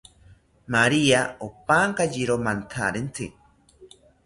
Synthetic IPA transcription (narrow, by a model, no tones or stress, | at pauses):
maɾiaopaŋkad͡ʒiɾomant̪ʰa̰ɾent̪ʰɨ